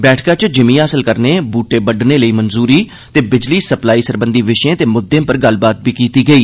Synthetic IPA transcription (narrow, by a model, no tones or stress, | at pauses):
bɛːʈʰkãːt͡ʃd͡ʒɪmĩːaːsəlkəɾneːbuːʈeːbəɖneːləiːmənzuːɾiː | t̪eːbɪd͡ʒliːsəplaːiːsəɾbə̃nd̪iːʋɪʃẽːt̪eːmʊd̪ːẽːpəɾɡəlbaːt̪̚biːkiːt̪iːɡəiː